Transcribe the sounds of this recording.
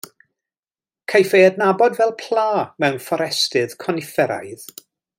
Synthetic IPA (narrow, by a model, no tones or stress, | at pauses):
kʰajfeədnabɔdvɛlˠpʰl̥ˠaːmɛwnfɔɾɛstɨð̥kʰɔnɪfɛɾa̰jð̥